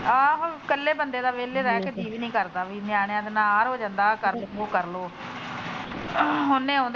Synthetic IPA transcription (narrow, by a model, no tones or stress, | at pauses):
aɦkəlːeːbənd̪eːd̪aːʋeːleɾɛːked͡ʒiːʋnĩːkəɾt̪aːʋiːnjaːɽ̃jãːd̪ɪnaːɾɦoːd͡ʒãnd̪aːkəɾoːkəɾloː | ɦʊnːẽːãːnd̪